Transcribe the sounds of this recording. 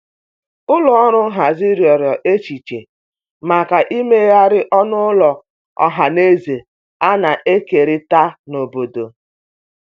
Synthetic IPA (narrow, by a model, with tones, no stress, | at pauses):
ʊ˦lɔ˨ɔ˦ɾʊ˦ɦa˨zi˦ɾjɔ˨ɾjɔ˨ʔe˦t͡ʃi˨t͡ʃe˨ | ma˨ka˨ʔi˦me˦ja˦ɾɪ˦ʔɔ˦nʊ˦lɔ˨ | ɔ̰˦ɦa˨ne˦ze˨ | a˦na˨ʔe˦ke˨ɾɪ˦ta˦no˨bo˨do˨